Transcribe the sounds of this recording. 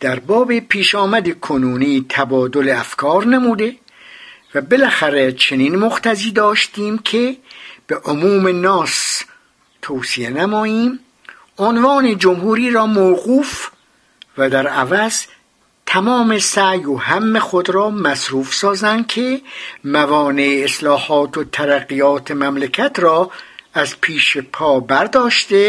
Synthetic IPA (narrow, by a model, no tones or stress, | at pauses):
d̪̥æɾbɒːbe̞pʰiːʃɒːmæd̪ekʰonuːniːt̪ʰæbɒːd̪oleæfkʰɒːɾnemuːd̪e̞ | væbe̞læxæɾet͡ʃʰe̞niːnmoxt̪ʰæziːd̪ɒːʃt̪iːmkʰeb̥eʔomuːme̞nɒːs | t̪ʰoːsienæmɒːiːm | onvɑːned͡ʒomhuːɾiːɾɒːmowɣuːf | væd̪æɾævæz | t̪ʰæmɒːme̞sæjohæmːe̞xod̪ɾɒːmæsɾuːfsɒːzænd̪̥̚kʰemævɒːne̞eːslɒːhɒːt̪ʰot̪ʰæɾæɣijɒːt̪ʰemæmlekʰæt̪ʰrɒːæzpʰiːʃepʰɒːbæɾd̪ɒːʃt̪e